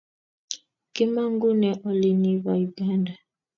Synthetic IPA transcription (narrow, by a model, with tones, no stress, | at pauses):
kɪ˦ma˦ŋ˦ɡu˦nɛ˨ʔɔ˦li˨ni˦va˨u˨ɡa˦nda˨